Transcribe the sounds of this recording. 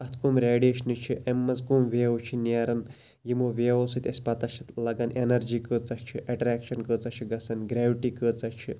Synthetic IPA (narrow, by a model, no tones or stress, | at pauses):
ɐt̪ʰkumɾeːɖeːʃnit͡ʃʰiʔemːɐzkumʋeːut͡ʃʰineːɾɐn | jimoʋeːosɨt̪ʲɐsʲpɐt̪ɐʃit̪lɐɡɐnʔenɐɾd͡ʒiːkət͡sɐt͡ʃʰiʔɐʈɾæːkʃɐnkəːt͡sɐt͡ʃʰiɡɐsɐnɡɾeːʋiʈiːkəːt͡sɐt͡ʃʰi